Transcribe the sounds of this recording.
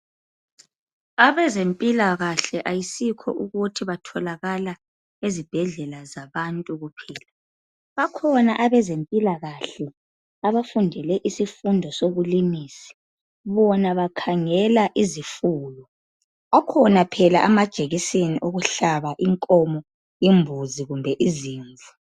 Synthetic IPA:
aβɛzempʼilaɣaɬɛʔajisikʰɔ̰ʔuɣutʰiβatʰɔlaɣala | ezib̥ʱɛɮɛlazaβantʼuɣupʰɛːla | βakʰɔnaʔaβɛzempʼilaɣaɬɛ | aβafundʱɛlɛʔisifundʱɔsoβulimiːsi̥ | βɔnaβakʰaŋɛlaʔizifuːlɔ | akʰɔnapʰɛlaʔamad̥ʒ̥ʱeɣiseniʔuɣuɬaβaʔiŋkʼɔmɔ | imbʱuziɣumbʱɛʔiziːɱvʱu

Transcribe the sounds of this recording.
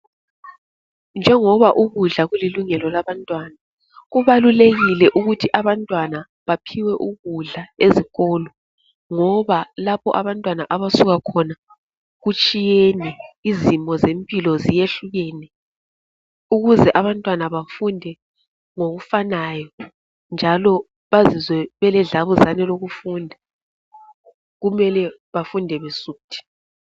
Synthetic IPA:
nd͡ʒʱɛŋɔβaʔuɣuɮaɣuliluŋɛlɔlaβantʼwana | ɣuβaluleɣilɛʔuɣutʰiʔaβantʼwana | βapʰiwɛʔuɣuɮaeziɣɔlɔ | ŋɔβalapʰɔ̰ʔaβantʼwanaʔaβasuɣakʰɔna | ɣut͡ʃʼijenɛizimɔzempʼilɔzijeɬuɣeːnɛ | uɣuzɛʔaβantʼwanaβafundʱɛ | ŋoɣufanajɔ | nd͡ʒʱalɔ | βazizwɛβɛlɛɮaβuzanɛloɣufundʱa | ɣumɛlɛ | βafundʱɛβesuːtʰi̥

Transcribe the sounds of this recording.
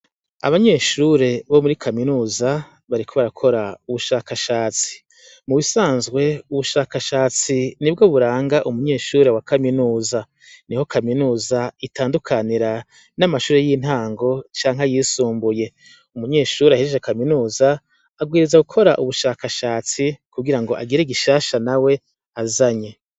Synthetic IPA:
a̰βaɲe̞ːʃuɾe̞βo̞muɾikʰaminuːza | βaɾikʰoβaɾakʰo̞ɾauβuʃaːkaʃaːt͡si̥ | muβisaːnzɡwe̞uβuʃaːkaʃaːt͡sinib̚ɡo̞βuɾaːŋɡaʔumuɲe̞ːʃuːɾewakʰaminuːza | niho̞kʰaminuːzaitaːndukʰaniɾa | namaʃuːɾe̞jin̥haːŋɡo̞t͡ʃaːŋɦajiːsuːmbuje̞ | umuɲe̞ːʃuːɾeaheʒekaminuːzaː | ɡwiːɾizaɡukʰo̞ɾaʔuβuʃaːkaʃaːt͡sikubɡiɾaŋɡo̞ʔa̰ɡiɾeɡiʃaːʃanawe̞ | azaɲe̞

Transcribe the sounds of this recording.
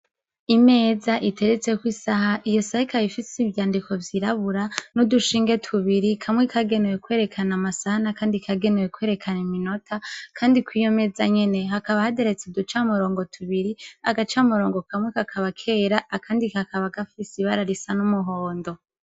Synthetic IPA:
ime̞ːzaʔite̞ɾet͡sekwiːsaɦaʔijo̞sahikaifisivjaːndikʰo̞vjiɾaβuɾanuduʃiːŋɡe̞tʰuβiɾikʰamŋekʰaɡe̞newekwe̞ːɾe̞kʰanamasahanakaːndikʰaɡenewekwe̞ɾe̞kʰanimino̞tʰakʰaːndikwiːjo̞me̞zaɲe̞ne̞ɦakaβahadeɾet͡sedut͡ʃamuɾo̞ːŋɡo̞tʰuβiɾiaɡat͡ʃamuɾo̞ːŋɡokamŋekakʰaβakʰe̞ːɾaʔːkʰaːndikakʰaβaɡafisiβaɾaɾisanumuɦo̞ːndo̞

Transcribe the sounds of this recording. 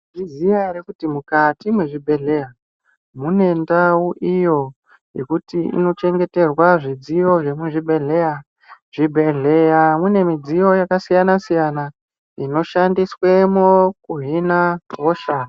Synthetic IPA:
ʐizijaɾekutimukatimweʐibʱe̞ɮe̞ja | mune̞ndauʔijo̞ | je̞̰kutiḭno̞t͡ʃe̞ŋɡe̞te̞rwaʐid͡zijo̞ʐe̞muʐibʱe̞ɮe̞ja | ʐ̥ibʱe̞ɮe̞jamune̞mid͡zijo̞jakasijanasijana | ino̞ʃandiswe̞mokuɦinaɦoʃana

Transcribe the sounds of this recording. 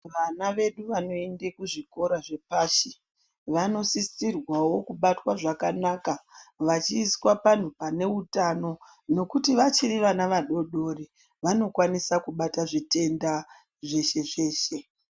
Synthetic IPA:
ʋanaʋe̞ɗuʋano̞ende̞kuʐiko̞ɾaʐe̞paːʃe | ʋano̞sist͡sirwawo̞kuɓatwaʐakanaːkaʋat͡ʃiːswapan̤upane̞utano̞ | no̞kutiʋat͡ʃiɾiʋanaʋaɗo̞ɗo̞ri | ʋano̞kwanisakuɓataʐite̞nda | ʐe̞ʃe̞ʐe̞ːʃe̞

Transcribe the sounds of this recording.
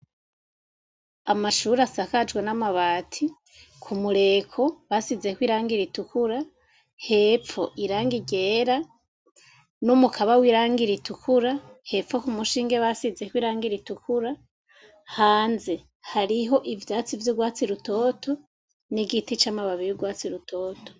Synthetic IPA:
amaʃuːɾasakad͡ʒɡwenamaβatʰi | kʰumuɾe̞kʰo̞βasizekwiːɾaːŋɡiɾitukuɾa | he̞ːp͡ffo̞ʔiɾaːŋɡiɟe̞ɾa | numukʰaβawiɾaːŋɡiɾitʰukuɾahe̞fo̞kumuʃiːŋɡe̞βasize̞kwiːɾaːŋɡiɾitukʰuɾa | haːnze̞ | haɾiɦo̞ʔivjaːt͡sivjoɡwaːt͡siɾuto̞ːtʰo̞ | niɡitit͡ʃamaβaβijuɡwaːt͡siɾutʰo̞ːto̥

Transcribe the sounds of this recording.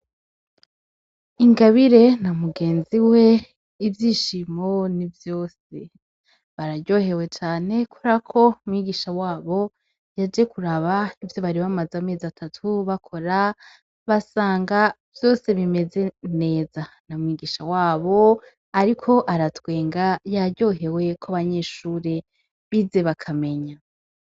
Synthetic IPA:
iŋɡaβiɾe̞namuɡe̞ːnziwe̞ | ivjiːʃimo̞nivjo̞ːse | βaɾaɾɟo̞ːhe̞we̞t͡ʃaːne̞kʰoɾakʰo̞mŋiɡiʃawaːβo̞ | jad͡ʒe̞kuɾaβaivjo̞βaɾiβamazame̞ːziatʰatʰuβakʰo̞ɾa | βasaːŋɡa | vjo̞ːse̞βime̞ze̞ne̞ːza | namŋiːɡiːʃawaːβo̞ | aɾikʰo̞ʔaɾatwe̞ːŋɡajaɾɟo̞ːɦe̞we̞kʰoβaɲe̞ːʃuːɾe̞ | βize̞βakʰame̞ɲa

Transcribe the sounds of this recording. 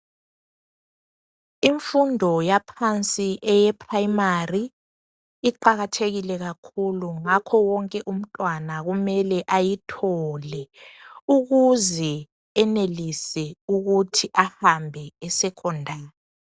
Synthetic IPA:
iɱfundʱɔjapʰant͡sʼiʔɛjɛpʰʼrajimariː | ǃaɣatʰeɣilɛɣakʰuluŋakʰɔwɔŋkʼɛʔum̩tʼwanaɣumɛlɛʔajitʰɔlɛuɣuzɛ | ɛnelisɛuɣutʰiʔahambʱɛːsɛkʰɔndʱaːnɛ

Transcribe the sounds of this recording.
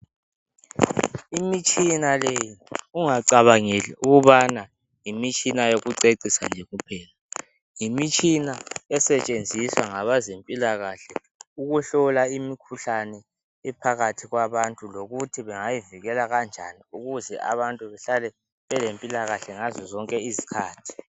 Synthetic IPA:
imit͡ʃʼinalejiuŋaǀaβaŋɛlɛuɣuβana | jimit͡ʃʼinajoɣuǀeǀisa̰nd͡ʒʱeɣupʰɛːla | jimit͡ʃʼinaɛsɛt͡ʃʼend͡zʱiswaŋaβazempʼilaɣaɬɛ | uɣuɬɔlaimikʰuɬanɛ | ɛpʰaɣatʰiɣwaβantʼuloɣutʰiβɛŋajiviɣɛlaɣand͡ʒʱa̰niuɣuzɛʔa̰βantʼuβɛɬalɛ | βɛlempʼilaɣaɬɛŋazɔzɔŋkʼɛizi̥kʰaːtʰi̥

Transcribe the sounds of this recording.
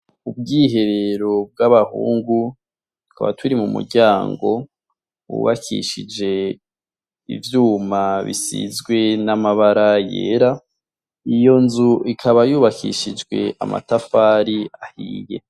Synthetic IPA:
ub̚ɡiːɦe̞ɾe̞ɾo̞b̚ɡaβahṵːŋɡu | tu̥ka̰βa̰twuɾimumṵɾɟaːŋɡo̞ | wṵβakʰḭʃid͡ʒe̞ | ivjuːmaβḭsḭzɡwe̞namaβaɾajḛːɾa | ijo̞nzuʔikʰaβajuːβakʰḭʃid͡ʒɡwe̞̰ʔa̰ma̰tafaːɾiahiːje̞̰

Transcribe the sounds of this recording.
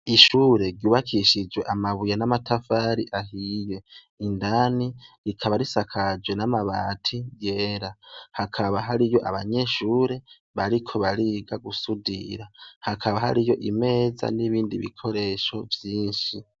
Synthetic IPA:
iʃuːɾe̞ɾɟuːβakʰiʃid͡ʒwe̞ʔamaβujanamatʰafaɾiʔaɦije̞ | indaniɾikʰaβaɾisakʰad͡ʒwe̞namaβaːtʰije̞ːɾahakʰaβaɦaɾijo̞ʔa̰βaɲe̞ʃuːɾe̞ | βaɾikʰo̞βaɾiɡaɡusudḭɾahakʰaβaha̰ɾijo̞ʔime̞ːza̰niβiːndiβḭkʰo̞ɾe̞ʃo̞vjiːnʃi

